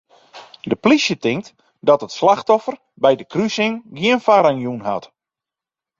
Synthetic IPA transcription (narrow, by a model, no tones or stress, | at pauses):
dəplisjətɪŋk̚t | dɔtətslaxtɔfər | bɛjdəkrysɪŋɡjiənfaɾaŋjunɦa̰t